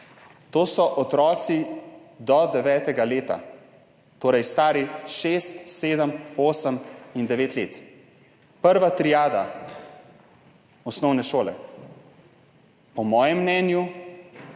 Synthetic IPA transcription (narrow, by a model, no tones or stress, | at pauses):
t̪oːsɔʔɔt̪ɾɔːt̪sid̪ɔd̪ɛʋɛːt̪ɛɡaleːt̪a̰ | t̪oːɾɛjst̪aːɾiʃest̪seːd̪əmoːsəmind̪ɛʋeːt̪leːt̪ | pəɾʋat̪ɾijaːd̪a̰ | ɔsnɔwnɛʃoːlɛ̰ | pɔmɔːjɛmːnɛːnju